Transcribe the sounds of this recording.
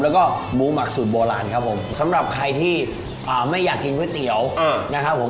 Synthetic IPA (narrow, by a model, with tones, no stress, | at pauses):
lːwkɔː˥˩buː˨˦ma˨˩k̚su˨˩t̪̚boː˧laː˧nkʰa˦˥pʰo˩˦msa˩˦mɾa˨˩p̚kʰa˧jt̪ʰiː˥˩ | ʔaː˨˩ma˥˩jːaː˨˩kːi˧nkʰi˦˥t̪i˨˩˦əwna˦˥kʰa˦˥pʰːo˨˩˦